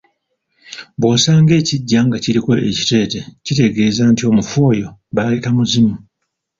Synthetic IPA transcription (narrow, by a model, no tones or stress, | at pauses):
βwoːsaːŋɡe̞ːciɟːaŋɡaciɾiko̞ʔe̞̰ci̥te̞ːte̞cite̞ɡe̞ːzaːntio̞ːmufo̞ːjo̞βalekamuzimu